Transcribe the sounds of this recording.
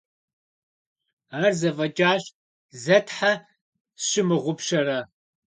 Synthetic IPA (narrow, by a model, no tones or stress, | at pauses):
aːrzɐvɐd͡ʒʼaːɕ | zɐtʰħa | ɕɪmɨʁʷʊpʃɐrɐ